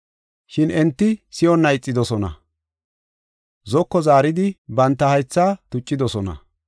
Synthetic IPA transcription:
ʃɪnɛnt̪ːɪsɪjɔnːɐjt͡sʼːɪd̪ɔsɔnɐ̰ | zɔkːɔzaːɾɪd̪ɪbɐnt̪ːɐhɐjt͡sːaːt̪ʊt͡ʃʼːɪd̪ɔsɔnɐ̰

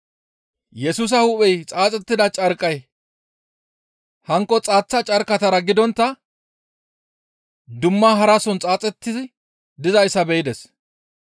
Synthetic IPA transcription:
jɛsuːs̬ɐhuːpʼɛjt͡sʼaːt͡sʼɛt̪ːɪd̪ɐt͡ʃʼɐɾkʼːɐj | hɐŋkːɔt͡sʼaːt͡sːɐt͡ʃʼɐɾkɐt̪ɐɾɐɡɪd̪ɔnt̪ːɐ | d̪ʊmːaːɦɐɾasɔnt͡sʼaːt͡sʼɛt̪ːɪzɪ | d̪ɪzɐjsɐbɛjɪd̪ɛs

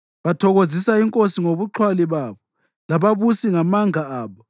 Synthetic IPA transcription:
βatʰɔɣozisaiŋkʼosiŋoβuǁʰwaliβaːβɔ | laβaβusiŋamaŋʱaaːβɔ

